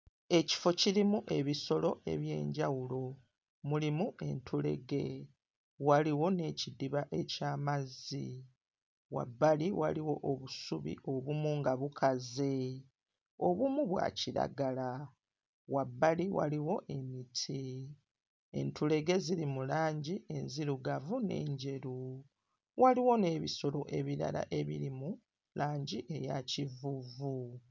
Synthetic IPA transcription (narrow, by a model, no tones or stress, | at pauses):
e̞ci̥fo̞ciɾimuʔe̞βiso̞lo̞ʔe̞̰βje̞̰ːɲɟawulo̞ | mulimue̞̰ntʰule̞̰ɡe̞̰ | waliwo̞ne̞cidiβaʔe̞caːmazi | wa̰bːaliwa̰liwo̞ʔoβusuβḭʔo̞βumuŋɡaβukʰaze̞ | o̞βumuβwa̰ciɾa̰ɡala | wabːaliwa̰liwo̞ʔe̞mitʰi | ḛntule̞ɡe̞ziɾimulaːɲɟiʔe̞nziɾuɡavune̞̰ːɲɟe̞ɾu | waliwo̞ne̞ːβiso̞lo̞ʔe̞βiɾa̰la̰ʔe̞βiɾimu | lʔaːɲɟiʔe̞jacivuvu